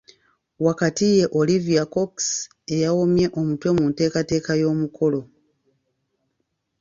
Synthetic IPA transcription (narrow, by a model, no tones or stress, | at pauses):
wakatije̞ʔoliviako̞ks | e̞jawomje̞ʔo̞mutwe̞munte̞ːkate̞ːkajo̞ːmukʰo̞lo̞